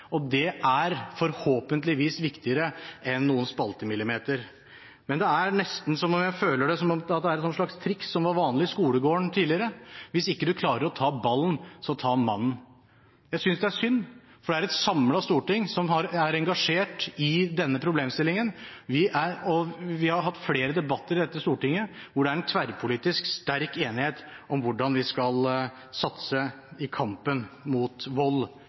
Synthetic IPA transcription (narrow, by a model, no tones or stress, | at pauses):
ɔd̪ɛʔæɾfɔɾhoːpənt̪lɪʋiːsʋɪkt̪ɪəɾəʔɛnːuːənspɑlt̪əmɪlːɪmeːt̪əɾ | mɛnd̪ɛæɾnɛst̪n̩sɔmɔmjæɪføːləɖɛsɔmɔmɑt̪̚d̪ɛæɾɛnsɔnʂɭɑkst̪ʰɾɪksːɔmʋɑɾʋɑːnlɪskuːləɡoːəɳt̪ʰiːd̪lɪəɾəʋɪsɪkːəd̪ʉkʰlɑːɾəɾɔt̪ʰɑːbɑlnsɔɔt̪ʰɑːmɑ̰nːn̩ | jæɪsʏnsd̪ɛæʂʏnː | fɔɖɛæɾɛt̪sɑmlɑst̪uːʈɪŋsɔmhɑɾæɾɛŋɡɑʂeːʈɪd̪ɛnːəpʰɾʊbleːmst̪ɪlːɪŋənʋɪʔæɾɔʋɪhɑɾhɑt̪ːfleːɾəd̪ɛbɑt̪ːəɾɪd̪ɛt̪ːəst̪uːʈɪŋːəʋʊɖɛæɾɛnt̪ʰʋæɾpʰʊliːt̪ɪskst̪æɾkeːnɪheːt̪ʔɔmʋʊɖɑnʋɪskɑl | sɑt̪sə | ɪkʰɑmpənmuːt̪ʋɔl